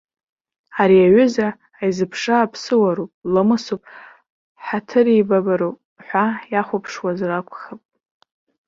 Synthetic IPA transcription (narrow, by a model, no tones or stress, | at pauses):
aɾiaɥʏzaː | jzɨpʰʂaːpʰsɨwaɾopʼlamɨsupʼ | ħatʰɨribabaɾopʼ | ħʷajaχʷapʰʂwazrakʷʰʼχəpʼ